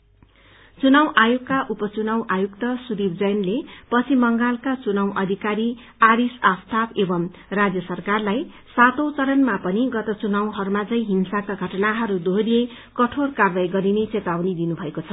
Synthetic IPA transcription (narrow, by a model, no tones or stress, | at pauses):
t͡sunawʔajokkːaʔupʌt͡sunawʔajukt̪ʌsuɾibd͡zʌjnlepʌt͡sʰimʌŋɡalkat͡sunawʔʌd̪ʱikaɾi | aɾisast̪ʰapebʌm | rad͡zjʌsʌrkarlaj | sat̪owt͡sʌɾʌnmapʌniɡʌt̪ʌt͡sunaw̃ɦʌɾumad͡zʌj̃ɦinsakaɡʱʌʈʌnaɦʌɾud̪ʱoɾije | kʌʈʰorkarbajɡʌɾinet͡set̪awnid̪inubʱʌekot͡sʰʌ